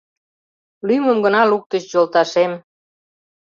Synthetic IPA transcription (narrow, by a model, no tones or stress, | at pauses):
lyməmɡənɑluk̚t̪ət͡ɕjolt̪ɑʃem